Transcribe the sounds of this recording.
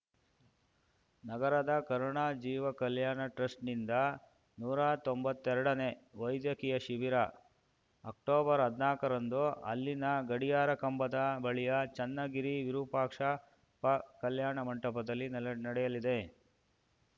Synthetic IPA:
nɐɡɐɾɐd̪ɐkɐɾoɳaːd͡ʒiːʋɐkɐljaːɳɐʈɾɐsʈnind̪ɐ | nuːɾat̪ombɐt̪ːɛɾɐɽɐne̞ʋɐjd̪jɐkijɐʃiʋiɾɐː | k̚ʈoːbɐɾɦɐd̪naːkɐɾɐnd̪uɐ̰lːinɐɡɐɽijaːɾɐkɐmbɐd̪ɐbɐɭijɐt͡ʃɐnːɐɡiɾiʋiɾupaːkʂɐ | pɐkɐljaːɳɐmɐɳʈɐpɐd̪ɐlːinnɐɽɛjɐlid̪e̞

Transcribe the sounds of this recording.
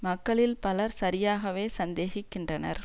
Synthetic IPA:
mɐkːɐɭɪlpɐlɐɾsɐɾɪjaːɣɐʋeːsɐnd̪eːɣɪkːɪndrɐnɐ̰ɾ

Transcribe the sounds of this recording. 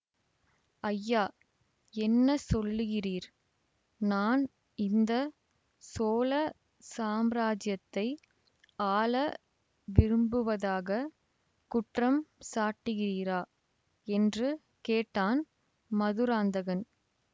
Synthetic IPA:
ɐjːaː | ɛnːɐsɔlːɯɣɪriːɾ | naːn | ɪnd̪ɐ | soːlɐ | saːmɾaːd͡ʒjɐt̪ːɐɪ | aːlɐ | ʋɪɾɯmbɯʋɐðaːɣɐ | kʊʈrɐmsaːʈːɯɣɪriːɾaː | ɛndrɯ | keːʈːaːn | mɐðɯɾaːnd̪ɐɣɐn

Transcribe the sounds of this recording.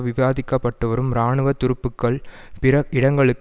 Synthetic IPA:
ʋɪʋaːðɪkːɐpːɐʈːɯʋɐɾɯmɾaːɳɯʋɐt̪ːʊɾɯpːɯkːɐɭ | pɪɾɐɪɽɐŋɡɐɭɯkː

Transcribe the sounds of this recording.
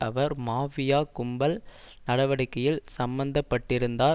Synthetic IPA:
ɐʋɐɾmaːʋɪjaːkʊmbɐl | nɐɽɐʋɐɽɪkːɐjɪlsɐmbɐnd̪ɐpːɐʈːɪɾɯnd̪aː

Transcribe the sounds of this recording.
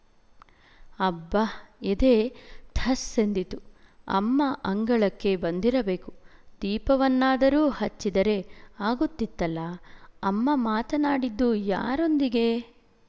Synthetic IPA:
ɐbːɐid̪e̞ːt̪ʰɐsend̪it̪uɐ̰mːɐʔɐŋɡɐɭɐkːe̞bɐnd̪iɾɐbe̞ːkud̪̥iːpɐʋɐnːaːd̪ɐɾuːhɐt͡ʃːid̪ɐɾe̞aːɡut̪ːit̪ːɐlːɐɐmːɐmaːt̪ɐnaːɽid̪ːuja̰ːɾo̞nd̪iɡe̞

